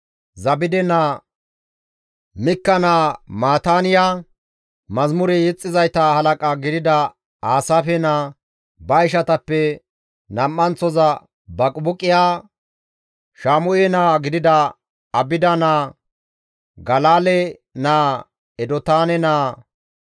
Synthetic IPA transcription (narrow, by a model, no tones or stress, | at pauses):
zɐbɪd̪ɛnaː | mɪkːɐnaːmaːt̪aːnɪja | mɐzmʊɾɛjɛt͡sʼːɪzɐjt̪ɐhɐlɐkʼaɡɪd̪ɪd̪ɐ | aːsafɛnaː | bɐɪʃ̬ɐt̪ɐpːɛ | nɐmːɐnt͡sːɔzɐ | bɐkʼbʊkʼːɪjaː | ʃaːmʊjɛnaːɡɪd̪ɪd̪ɐ | ɐbɪd̪ɐnaː | ɡɐlaːlɛ | naː | ɛd̪ɔt̪aːnɛnaː